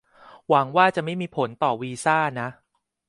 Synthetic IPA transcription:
wa˩˦ŋwaː˥˩t͡ɕa˨˩ʔma˥˩jmiː˧pʰo˩˦nt̪ɔː˨˩wiː˧saː˥˩na˦˥ʔ

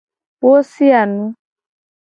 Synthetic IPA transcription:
wo˦si˦a˨nũ˦

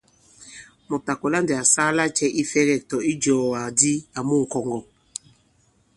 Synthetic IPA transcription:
mɔ˨p̚ta˨kɔ˨la˦ndɛ˨a˨saː˦la˦t͡ʃɛ˦ʔi˦fɛ˦ɣɛ˦˨k̚tɔ˨i˦d͡ʒɔː˨wa˨di˦a˨mu˦ŋ̩˨kɔ˨ŋɡɔ˨

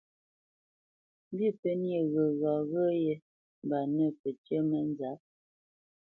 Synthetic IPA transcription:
m˦bi˦˨pə˦nje˨ɣə˨ɣɔ˨ɣə˦je˦ | m˨ba˨nə˦˨pə˨t͡ʃə˦mə˨˦n˦za˨˦p̚

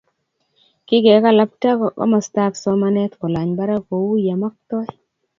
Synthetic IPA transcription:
kɪ˦kɛ˨˦ka˦˨la˦p̚ta˦kkɔ̰˦ma˨sta˦ksɔ˦ma˦nɛ˦t̪ko˨la˨ɲba˦ɾa˦ko˨wu˦ja˨ma˦k̚t̪ɔ˦j

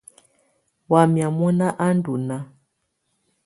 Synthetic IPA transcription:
wa˨mja˨mɔ˦na˦ʔa˦n˦du˨na˦

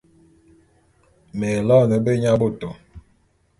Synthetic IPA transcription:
mɛ˨lɔ˦˨nə˨be˦ɲa˦bo˦˨to˨

